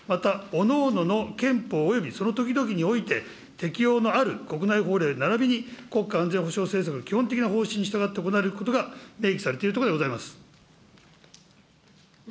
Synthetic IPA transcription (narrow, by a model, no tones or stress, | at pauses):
mat̪aono̞ːno̞no̞kẽ̞mpo̞ːjo̞bʲiso̞no̞t̪o̞kʲid̪o̞k̬ʲiɲ̟io̞it̪e̞ | t̪e̞kʲijo̞ːno̞aɾɯ̟ko̞kɯ̟naiɦo̞ːɾe̞ːnaɾabʲiɲ̟iko̞kːaãnd͡zẽɦo̞ɕo̞ːse̞ːs̬akɯkʲihont̪̬e̞kʲinaɦo̞ːɕĩɲːiɕi̥t̪aɡat̪ːe̞okonaɾeɾɯkot̪o̞ɡame̞ːkʲi̥saɾe̞t̪eiɾɯt̪okod̪eɡo̞zaimasɨ̥